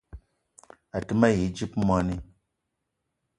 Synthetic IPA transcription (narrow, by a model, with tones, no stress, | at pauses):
a˨tɨ˦ma˦ji˨˦d͡ʒi˦pmʷa˦ni˦